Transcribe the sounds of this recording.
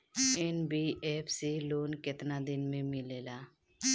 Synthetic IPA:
enbiepʰsiloːnkɪt̪nad̪ɪnmẽmɪleːla

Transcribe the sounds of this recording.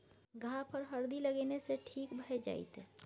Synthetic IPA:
ɡʱapʰəɾɦəɾd̪iləɡeneseʈʰiːkbʱəɛd͡ʒa̰ːɪ̰t̪

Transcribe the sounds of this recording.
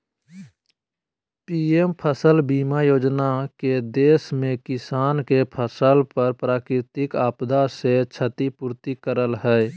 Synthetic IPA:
piempʰəsəlbiːmajoːd͡ʒnaked̪eːsmẽkɪsaːnkepʰəsəlpəɾpɾaːkɾɪt̪ɪkaːpd̪aset͡ʃʰət̪ipuːɾt̪ikəɾəlɦɛ

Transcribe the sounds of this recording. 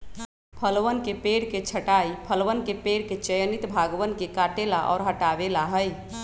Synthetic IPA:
pʰəlʋənkepeɽket͡ʃʰəʈaipʰəlʋənkepeɽket͡ʃəjənit̪bʱaɡʋənkekaʈelaʔɔ̰ːɾɦəʈabelaɦəj

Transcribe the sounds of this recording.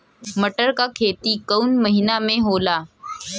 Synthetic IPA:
məʈəɾkakʰeːt̪ikəunməɦinamẽɦoːlaː

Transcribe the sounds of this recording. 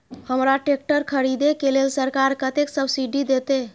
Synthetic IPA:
həmɾaʈek̚ʈəɾkʰəɾid̪ekelelsəɾkaɾkət̪eksəbsiɖid̪et̪e

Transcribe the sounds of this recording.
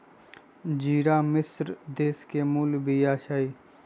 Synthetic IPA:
d͡ʒiːɾaːmɪsɾd̪eːskemuːlbʱijaːʃaːi

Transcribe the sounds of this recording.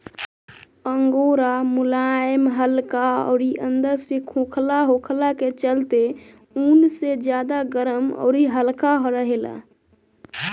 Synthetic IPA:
əŋɡoɾamulajəmɦəlkaɔ̰ːɾiʔənd̪əɾsekʰõkʰlaɦokʰlaket͡ʃəlt̪e | unsed͡ʒjad̪aɡəɾəmɔ̰ːɾiɦəlkaɦɔɾəɦela̰

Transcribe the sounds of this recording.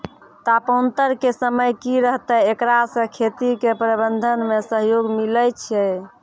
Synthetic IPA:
t̪apont̪əɾkesəməjkiɾəɦt̪əekɾasə̃kʰet̪ikepɾəbənd̪ʱənmesəɦjoɡmiləjt͡ʃʰɛ

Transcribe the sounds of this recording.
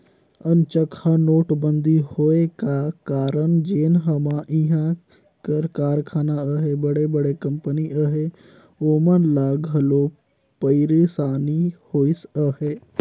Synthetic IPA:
ənt͡ʃəkʰanoːʈbənd̪ʱihoːekakaːɾənd͡ʒeːnɦəmãʔɪ̃ɦã | kəɾkaːɾkʰaːnaəɦebəɽebəɽekəmpəniʔəɦe | oːmənlaːɡɦəloː | pəɪɾisaːnihoːisəɦeː

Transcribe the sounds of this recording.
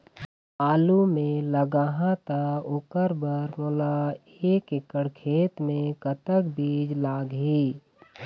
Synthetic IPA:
aːlumẽləɡaːɦãt̪aokəɾbəɾmoːla | eːkekəɽkʰeːt̪mẽkət̪əkbiːd͡ʒlaːɡɦiː

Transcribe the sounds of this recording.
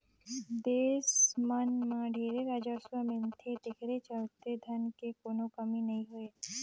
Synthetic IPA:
d̪eːsmənmãɖʱeːɾeɾaːd͡ʒaːswəmɪ̃nt̪ʰed̪ekʰɾet͡ʃəlt̪ed̪ʱɐnkekoːnõkəminɐɦĩɦʊe

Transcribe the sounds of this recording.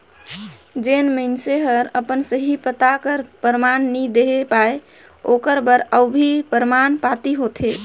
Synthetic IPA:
d͡ʒenməɪnseɦəɾəpənsəɦipət̪akəɾpəɾmanːid̪eɦepae | okəɾbəɾəwbʱipəɾmanpat̪iɦot̪ʰe

